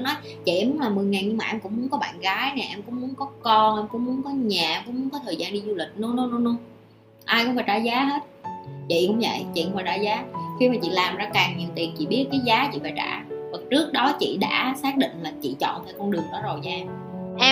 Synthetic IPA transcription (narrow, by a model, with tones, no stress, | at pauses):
nɔ˨˦j | t͡ɕḭ˧˨ʔɛ˧mu˨˦nlaː˨˩mɨ˨˩əjŋaː˨˩jɲɨ˧ŋmaː˨˩ʔɛ˧mkʊ̰˧˥ŋ͡mmu˨˦ənkɔ˨˦ɓa̰ː˧˨nɣaː˨˦jnɛ˨˩ʔɛ˧mkʊ̰˧˥ŋ͡mmu˨˦ənkɔ˨˦kɔ˧nʔɛ˧mkʊ̰˧˥ŋ͡mmu˨˦ənkɔ˨˦ɲaː˨˩ʔɛ˧mkʊ̰˧˥ŋ͡mmu˨˦əŋkɔ˨˦t̪ʰəː˨˩zaː˧nɗi˧zu˧lï˨˩k̟̚nʊ˨˦nʊ˨˦nʊ˨˦lu˧əŋ | ʔaː˧jkʊ˧˥ŋ͡mfaː˧˩t͡ɕaː˧˩zaː˨˦ɦe˦˥t̚t͡ɕḭ˧˨kʊ̰˧˥ŋ͡mvə̰˧˨jt͡ɕḭ˧˨ʔʊ˧˥ŋ͡mfaː˧˩ta̰ː˧˩zaː˨˦xi˧maː˨˩t͡ɕḭ˧˨laː˨˩mzaː˧kaː˨˩ŋɲi˨˩əwt̪i˨˩ət͡ɕḭ˧˨ɓi˦˥ət̚kaː˨˦jzaː˨˦t͡ɕḭ˧˨vaː˨˩t͡ɕa̰ː˧˩va˨˩t͡ɕɨ˦˥ək̚ɗɔ˨˦t͡ɕḭ˧˨ɗa̰ː˧˥saː˦˥k̚ɗḭ˧˨ŋ̟laː˨˩t͡ɕḭ˧˨t͡ɕɔ̰˧˨nt̪ʰɛ˧wkɔ˧nɗɨ˨˩əŋɗɔ˨˦zo˨˩jɲaː˧ | ʔɛ˧